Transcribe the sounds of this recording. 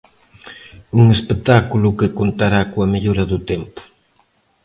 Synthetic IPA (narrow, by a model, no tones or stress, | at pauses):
uŋespet̪akulʊkɪkont̪aɾakoɐmeʎoɾɐðʊt̪empʊ̥